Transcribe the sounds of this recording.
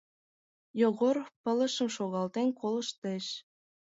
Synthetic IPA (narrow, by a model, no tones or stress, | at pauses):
joɣorpə̆lə̆ʃə̆mʃoɣɑlt̪enkolə̆ʃt̪eʃ